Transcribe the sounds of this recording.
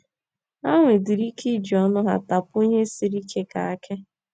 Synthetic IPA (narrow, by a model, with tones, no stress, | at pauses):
a˦ŋʷe˨di˨ɾi˦kʰi˦d͡ʒi˨ɔ˦nʊ˦ɦa̰˨ta˨pʊ˦o˦ɲe˦si˨ɾi˦ke˦ka̰˨a˦kʰe˦